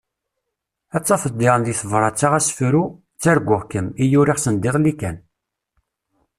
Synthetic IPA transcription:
æt͡sːɑfəd̪ˤːɪʁənðiθəvɾˤɑt͡sːaʁæsfɾu | t͡sːæɾɡʷːʊʁkəmijuɾiʁsənd̪ɪʁlikæn

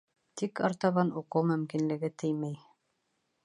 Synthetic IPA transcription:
t̪ikɑɾt̪ɑβɑnuqɤwmɵ̆mkinlɘ̆ɡɘt̪ʰɘjmæj

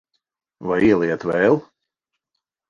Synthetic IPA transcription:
vajiɛlˠiɛt̪vɛːlˠ

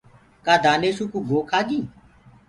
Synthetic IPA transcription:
kaːd̪aːneːʃuːkuːɡʱoːkʰaːɡiː

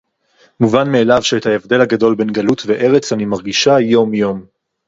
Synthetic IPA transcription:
muvanme̞ːlavʃeethaevd̪e̞lhaɡado̞lbe̞nɡalutve̞ʔe̞ʁet͡sanimaʁɡiʃajo̞mjo̞m

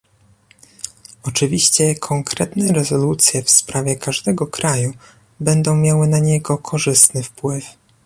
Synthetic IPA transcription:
ɔt͡ʂɘvʲiɕt͡ɕɛkʰɔŋkɾɛt̪nɛɾɛzɔlut̪sʲjɛfspɾavʲjɛkaʐd̪ɛɡɔkɾaju | bɛnd̪ɔ̃w̃mʲjawɘnaɲɛɡɔkʰɔʐɘst̪nɘfpwɘf

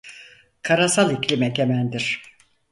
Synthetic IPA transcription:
kʰaɾasalˠiclʲimɛt̪ʲʰemænd̪iɾ̥

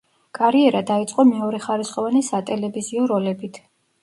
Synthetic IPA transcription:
kʼaɾiɛɾad̪ait̪sʼqʼɔmɛɔɾɛχaɾisχʼɔvanɛsat̪ʼɛlɛviziɔɾɔlɛbit̪ʰ

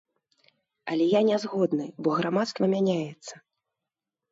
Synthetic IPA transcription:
ɐ̰lʲɛjanʲɛzɣɔd̪nɨbɔɣɾamat̪st̪vɐmʲanʲajɛt̪sːɐ

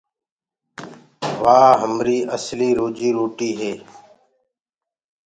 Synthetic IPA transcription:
ʋaːɦəmɾiːʔəsliːɾoːd͡ʒiːɾoːʈiːɦeː

